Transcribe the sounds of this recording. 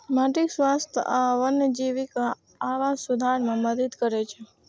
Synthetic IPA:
maʈiksʋast̪ʰaʋənːed͡ʒiʋikaː | ʋasud̪ʱaɾmãməd̪əd̪kəɾet͡ʃʰe

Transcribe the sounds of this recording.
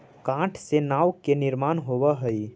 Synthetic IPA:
kãʈʰsenaːwkenɪɾmanɦobəɦəj

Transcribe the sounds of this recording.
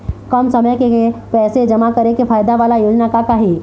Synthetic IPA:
kəmsəməjkepɛːsed͡ʒɐmakɐɾekepʰaːjd̪aʋaːlajuːd͡ʒnakakaɦi

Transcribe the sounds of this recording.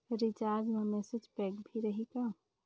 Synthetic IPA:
ɾit͡ʃaɾd͡ʒmẽmɛsed͡ʒpɛkbʱiɾəɦika

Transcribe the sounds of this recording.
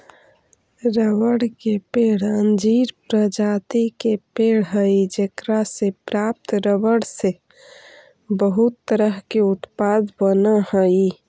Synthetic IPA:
ɾəʋəɽkepeɽ̤ənd͡ʒiɾpɾəd͡ʒat̪ikepeɽɦəid͡ʒekɾasepɾap̚t̪ɾəbəɽse | bəɦut̪ːəɾəɦkeut̪pad̪bənəhəi

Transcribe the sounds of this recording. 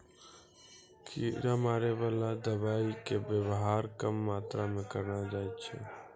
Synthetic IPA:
kʰiːɾamaːɾeʋaːlad̪əbaːikebjəwɦaːɾkəmːaːt̪ɾamẽkəɾnad͡ʒaːet͡ʃʰɛ̰ː

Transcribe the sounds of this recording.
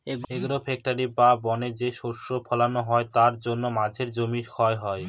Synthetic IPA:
eɡeɡɾofek̚ʈaɾibabɔned͡ʑeʃoɾʃopʰɔlanoɦɔet̪aɾd͡ʑonːomad͡ʑʱeɾd͡ʑomiɾkʰɔeɦɔe

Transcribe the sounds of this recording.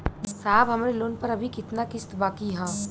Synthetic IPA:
saːbɦɐmaːɾeloːnpɐɾɐbʱikɪt̪nakɪst̪baːkiɦɛ̃ː

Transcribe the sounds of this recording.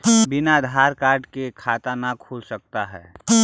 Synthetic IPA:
bɪnad̪ʱaːɾkaːɾɖkekʰaːt̪anakʰuːlsək̚t̪aɦɛ̰ː

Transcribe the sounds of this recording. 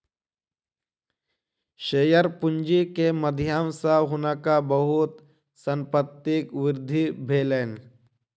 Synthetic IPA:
ʃeːjəɾpʊnd͡ʒikeməd̪ʱjaːmsaɦʊnəkabəɦʊt̪ | səmpət̪ːɪkʋɪɾd̪ʱibʱeːleːn

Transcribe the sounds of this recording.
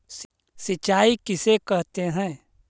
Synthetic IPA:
s | sɪt͡ʃaːikɪsekɐɦt̪eɦɛ̃ː

